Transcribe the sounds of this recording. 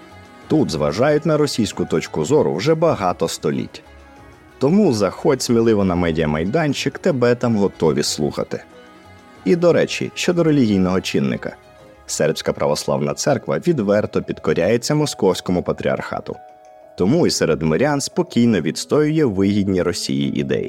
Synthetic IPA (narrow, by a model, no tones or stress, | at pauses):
t̪ut̪zʋɐ̰ʒɑjʊtʲnɐɾɔsʲijsʲkʊt̪ɔt͡ʃkʊzɔɾʊ̰wʒɛbɐɦɑt̪ɔst̪ɔlʲḭtʲ | t̪ɔmuzɐxɔtʲsʲmʲilˠɪʋɔnɐmɛdʲijɐmɐjd̪ɑnʲt͡ʃɪkt̪ebɛt̪ɑmɦɔt̪ɔʋʲislˠṵxɐ̰t̪ɪ | id̪ɔɾɛt͡ʃʲḭʃt͡ʃɔd̪ɔɾelʲiɦʲijnɔɦɔt͡ʃinːɪ̰kɐ̰ | sɛrpʲsʲkɐpɾɐ̰ʋɔslˠɑ̰wnɐ̰t̪sɛrkʋɐ̰ʋʲid̪ʋɛrt̪ɔpʲid̪kɔɾʲajet͡sʲːɐmɔskɔwsʲkɔmʊpɐt̪ɾʲḭɐ̰rxɑ̰t̪ʊ̰ | t̪ɔmuisɛɾed̪mɔɾʲanspɔkʲijnɔʋʲid̪st̪ɔjʊjɛʋɪɦʲidʲnʲiɾɔsʲḭjḭʔḭd̪ɛ̰jḭ